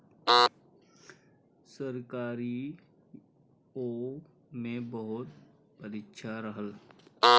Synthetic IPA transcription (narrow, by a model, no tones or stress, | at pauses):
səɾkaːɾi | oː | mẽbəɦʊt̪ | pəɾikːʃʰaɾəɦəl